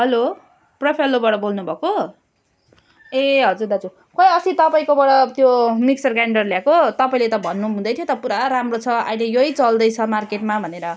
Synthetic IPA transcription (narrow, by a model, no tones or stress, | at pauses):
ɦʌlo | prʌpʰʌlːobaɽʌbolnubʱʌko | eɦʌd͡zuɾd̪at͡su | kʌjʌsit̪ʌpaĩkobʌɽʌt̪jomiksʌrɡaɳɖʌrljakot̪ʌpaĩlet̪ʌbʱʌnːuɦũd̪ʌjt̪ʰjot̪ʌpuɾaɾamrot͡sʰʌʌ̰jlejoit͡sʌld̪ʌjt͡sʰʌmarkeʈmabʱʌneɾʌ